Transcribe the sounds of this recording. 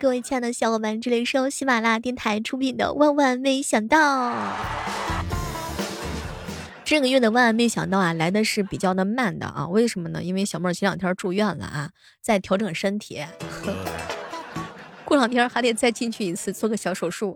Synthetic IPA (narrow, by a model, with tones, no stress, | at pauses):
kɤ˥˧we˥˧ɪt͡ɕʰjɛ˥˩nd̪ə˨ɕjɑ˧˩ʊkɔ˧˩pa˧˥n˧ʈ͡ʂɻ̩˥˩le˧˩ɪʂɻ̩˥o˧˥˩ɕi˥ma˨˩la˥t̪jɛ˥˩nt̪ʰa˧˥ɪʈ͡ʂʰu˥pʰi˨˩nd̪ə̰˦wa˥˧nwa˥˧nme˥˧ɪɕjɑ˨˩ŋt̪ɑ˥˩ʊ | ʈ͡ʂɤ˥˩ɡə˩ɥɛ˥˩nd̪ə˩wa˥˧nwa˥˧nme˥ɪɕjɑ̰˨˩ŋt̪ɑ˥˩ʊa˨˩la˧˥ɪd̪ə˧ʂɻ̩˥˩pi˨˩t͡ɕjɑ˥˩ʊnə˧˥ma˥˩nd̪ə̰˩ʔɐ̰˧˩we˥˩ɪʂə˧˥nmə˧nə̰˩i˥nwe˥˧ɪɕjɑ˨˩ʊmə˥˩t͡ɕʰi˧˥jɑ˨˩t̪ʰjɑ˧˥ʈ͡ʂu˥˧ɥɛ˥˩nlə̰˩ɐ˩ | t͡sa˥˩ɪt̪ʰjɑ˧˥ʊʈ͡ʂɤ˨˩ŋʂə˥nt̪ʰjɛ˧˥xɤ˧˥ | ku˥˩lɑ˨˩ŋt̪ʰjɑ˥xa˧˥t̪jɛ˨˩t͡sa˥˧ɪt͡ɕi˥˧nt͡ɕʰy˥˩i˧˥t͡sʰɹ̩˥˧t͡swɔ˥˩ɡə˩ɕjɑ˧˥ʊʂo˨˩ʊʂu˥˩